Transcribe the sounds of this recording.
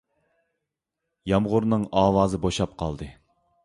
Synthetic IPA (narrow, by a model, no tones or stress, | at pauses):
jɑmʁʊɾnɨŋɑːwɑːzɨboʃɑp̚qʰɑ̰lˠd̪ɨ